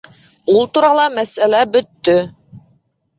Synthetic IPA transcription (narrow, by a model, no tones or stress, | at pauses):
ulˠt̪uɾɑlˠɑmæsælæbɵ̆t̪ːɵ